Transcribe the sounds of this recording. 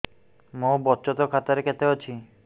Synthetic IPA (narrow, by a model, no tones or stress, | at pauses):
mõbɔt͡ʃɔt̪ɔkʰat̪aɾekɛt̪eɦot͡ɕʰi